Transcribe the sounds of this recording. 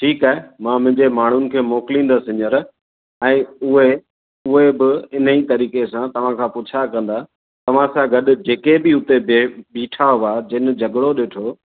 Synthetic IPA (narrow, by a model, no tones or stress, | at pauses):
ʈʰiːkaːɦemãːmʊ̃ɦɪ̃ɲd͡ʑemaːɳ̤ʊnɪ̆kʰeːmoːkɪlĩːn̆d̪asɪ̃ɲəɾ | ɛ̃ːʊɦe | ʊɦebɪɪn̤əit̪ɐɾiːkesãt̪ɐʋ̤ãkʰãːpʊt͡ɕʰakɐ̃nd̪a | t̪ɐʋ̤ãsãɡɐɗʊ̆d͡ʑeːkebɪʊt̪eebiːʈʰaɦʊʋad͡ʑɪnɪ̆d͡ʑɐɡɽoɗɪːʈʰoː